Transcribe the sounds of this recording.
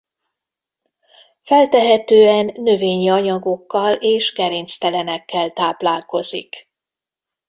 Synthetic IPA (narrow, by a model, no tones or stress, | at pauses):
fɛlt̪ɛɦɛt̪øːɛnːøveːɲiɒɲɒɡo̞kːɒleːʃkɛɾeːnst̪ɛlɛnɛkːɛlt̪aːplaːlko̞zḭk